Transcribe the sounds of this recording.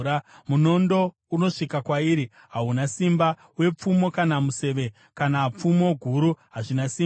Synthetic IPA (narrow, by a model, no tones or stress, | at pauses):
amuno̞ndo̞ | uno̞ʂikakwaiɾi | ɦaɦunasimba | we̞p͡fumo̞kanamuse̞ʋe̞ | kanap͡fumo̞ɡʱuɾuɦaʐinasi